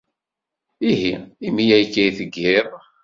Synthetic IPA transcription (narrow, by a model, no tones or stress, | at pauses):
iɦiimijæjkːæiθəɡːɪðˤ